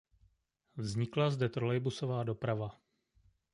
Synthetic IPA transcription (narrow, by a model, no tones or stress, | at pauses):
vzɲɪklazdɛt̪ɾolɛjbuso̞vaːdo̞pɾava